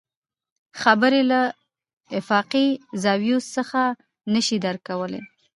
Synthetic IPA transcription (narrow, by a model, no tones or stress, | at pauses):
xabəɾela | ɪfɑqizɑwjussəxa | nəʃid̪aɾkawəlḛ